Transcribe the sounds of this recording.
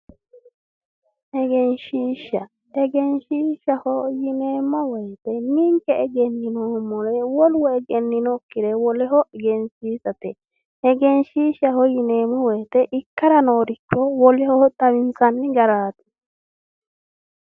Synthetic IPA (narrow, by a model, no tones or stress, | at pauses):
ʔɛɡɛnʃiːʃːɐ | ɛɡɛnʃiːʃɐhɔjɪneːmːɔwɔjt̪ɛmiŋkɛɛɡɛnːɪnoːmɔɾɛwɔlwɔɛɡɛnːɪnɔkːɪɾɛwɔlɛɦɔʔɛɡɛnsiːsɐt̪ɛ | ɛɡɛnʃiːʃɐhɔjɪneːmɔwɔjt̪ɛʔɪkːɐɾɐnoːɾɪkːɔwɔlɛhɔhɔt̪ʼɐwɪnsɐnːɪɡɐɾaːt̪ɛ̥